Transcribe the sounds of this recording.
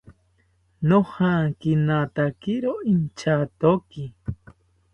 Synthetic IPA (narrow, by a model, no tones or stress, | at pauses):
nohakinat̪akiɾoint͡ʃat̪oki